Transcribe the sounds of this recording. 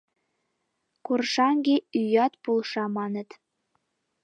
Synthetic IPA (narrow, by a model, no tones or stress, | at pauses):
kurʃɑŋɡeyjɑt̪pulˠʃɑmɑnə̆t̪